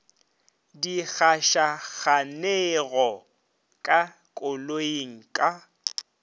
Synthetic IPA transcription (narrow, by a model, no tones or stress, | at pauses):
diɣaʃaɣaneɣɔ | kʼa | kʼʊloiŋ̩kʼa